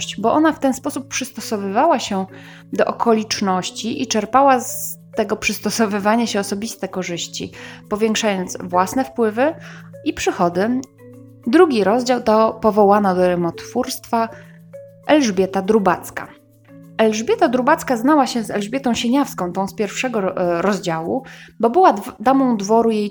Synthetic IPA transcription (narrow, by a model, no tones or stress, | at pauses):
ɕt͡ɕbɔʔɔnaft̪ɛnspɔsupːʂɘst̪ɔsɔvɘvawaɕɛ | d̪ɔʔɔkʰɔlʲit͡ʂnɔɕt͡ɕiʔit͡ʂɛɾpawas | t̪ɛɡɔpʂɘst̪ɔsɔvɘvaɲaɕɛɔsɔbʲist̪ɛkɔʐɘɕt͡ɕḭpɔvʲjɛŋkʂajɔnd̪zvwasnɛfpwɘvɘipʂɘxɔd̪ɘ | d̪ɾuɡʲiɾɔzd͡ʑawt̪ɔpɔvɔwanad̪ɔɾɛmɔt̪fuɾst̪fa | ʔɛlʐbʲjɛt̪ad̪ɾubat̪ska̰ | ɛlʐbʲjɛt̪ad̪ɾubat̪skaznawaɕɛzɛlʐbʲjɛt̪ɔ̃w̃ɕeɲafskɔ̃w̃t̪ɔ̃w̃spʲjɛɾfʂɛɡɔɾɔzd͡ʑawṵbɔbɘwad̪amɔ̃w̃d̪vɔɾujej